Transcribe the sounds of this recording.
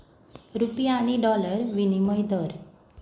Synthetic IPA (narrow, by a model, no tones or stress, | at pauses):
ɾupjaːñiɖɔləɾʋiniməjd̪əɾ